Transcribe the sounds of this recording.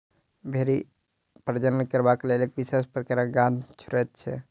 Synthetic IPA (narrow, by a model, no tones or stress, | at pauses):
bʱeɾi | pɾəd͡ʒənnəkəɾbakelelek̚bisespɾəkaɾaɡãd̪t͡ʃʰuɾɛt̪̚t͡ʃʰɛ̰